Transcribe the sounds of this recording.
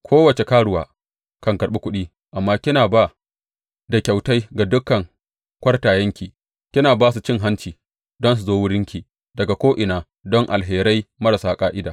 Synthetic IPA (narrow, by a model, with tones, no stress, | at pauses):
kʷʰoː˦wɐ˨t͡ʃe˨kaː˦ɽʊ˨wa̰ː˨ | kɐ˨ŋkɐ˨ɽɓi˦kʷʊ˦ɗiː˦ | ʔa˨mːaː˦kʲɪ˦naː˨ba˦˨ | da˨kʲa˨wta˦jɡa˨dʊ˦kːɐ˨ŋ | kʷɐ˦rtaː˨jɐ˦ŋkʲiː˨ | kʲɪ˦naː˨baː˦su˨t͡ʃɪ˦ŋɦa˦nt͡ʃiː˨ | dɔ˦ns̬u˨zoː˦wʊ˦ɽɪ˦ŋkʲiː˨ | dɐ˨ɡa˨kʷoː˦ʔɪ˨naː˨ | dɔ˦ŋʔa̰˨lɦeː˨ɾɐ˦jmɐ˦ɾa˨saː˦kʼaː˦ʔɪ˦daː˨